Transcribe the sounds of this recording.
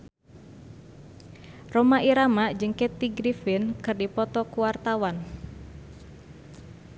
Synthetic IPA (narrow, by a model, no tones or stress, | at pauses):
romaʔiɾamaʔd͡ʒəŋkɛt̪ːiɡɾifɪnkɨrdipɔt̪ɔkuwart̪awan